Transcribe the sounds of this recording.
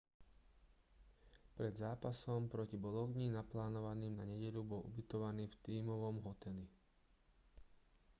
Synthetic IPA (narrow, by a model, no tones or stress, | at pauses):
pɾɛd̪zaːpasɔmpɾɔcibɔlɔʊɡɲiːnaplaːnɔʋaniːmnaɲɛɟɛʎubɔlʔṵbit̪ɔʋaniːft̪iːmɔʋɔmɦɔt̪ɛli